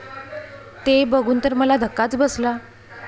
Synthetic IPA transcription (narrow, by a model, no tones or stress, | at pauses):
t̪ebəɡʱuːnt̪əɾməlad̪ʱəkːat͡sbəsla